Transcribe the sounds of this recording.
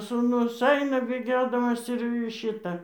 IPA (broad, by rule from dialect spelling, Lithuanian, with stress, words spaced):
suːˈnʊs ˈɐɪnɐ bʲeːˈɡʲoːdɐmɐs ɪr ˈʃʲɪtɐ